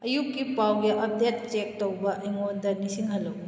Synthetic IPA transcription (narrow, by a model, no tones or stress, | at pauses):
ɐjukːipawɡiʔɐb̚det̚t͡ʃek̚towbɐʔɐjŋondɐnisiŋɦɐlːo